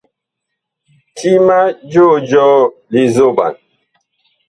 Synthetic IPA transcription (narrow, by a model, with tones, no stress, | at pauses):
tʰi˦ma˦d͡ʒo˦˨d͡ʒɔ˦li˨zo˦˨ɓa̰˨n